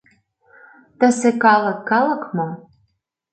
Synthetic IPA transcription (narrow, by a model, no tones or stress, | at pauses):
t̪ə̆sekɑlɤ̆kːɑlɤ̆kmŏm